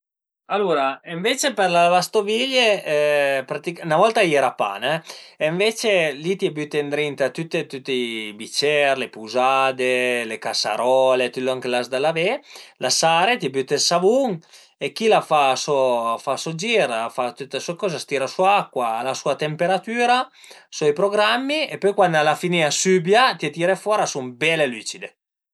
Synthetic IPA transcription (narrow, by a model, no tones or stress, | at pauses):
alːuɾaiɱvet͡ʃeperlavast̪oviʎeɛpɾat̪ikunavɔlt̪ajɛːɾapa̰nɛeɱvet͡ʃelit̪iɛbyt̪ːend̪ɾint̪at̪ut̪ːet̪ut̪ːeibit͡ʃɛɾlepuzad̪elekasa̰ɾɔlet̪ilːoaŋkelasd̪alavelasaɾet̪iabyt̪ːelsavuŋ | ekːilafasɔfasod͡ʒiɾfat̪ut̪ːeswekɔːzast̪iːɾasuaakːwaːlasuat̪empeɾat̪yːɾa | sɔjpɾoɡɾamːiepɔjkwand̪alafiniasybjat̪iet̪iːɾefwɔːɾasumbɛleliːt͡ʃid̪e